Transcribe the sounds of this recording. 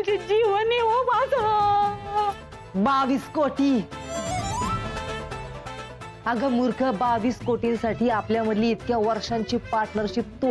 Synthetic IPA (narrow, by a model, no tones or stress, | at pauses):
d͡ʑed͡ʑiʋəneʋobad͡zɦa | baʋiːskoʈiː | aɡəmuɾkʰəbaʋiːskoʈinsaʈiːapljaməd̪liːt̪kjaʋəɾʂãɲt͡ɕiːpaɾʈnəɾɕiːt̪o